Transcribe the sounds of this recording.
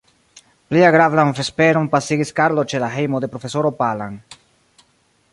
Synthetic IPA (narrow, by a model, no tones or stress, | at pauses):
pliaɡɾavanfe̞speɾompasiɡiskaɾlot͡ʃe̞laɦe̞jmod̪e̞pɾo̞fe̞soɾopalan